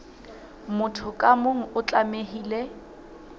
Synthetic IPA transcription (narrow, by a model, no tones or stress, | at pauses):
mʊtʰʊkʼamoŋ̩ʊt͡ɬʼamehiːle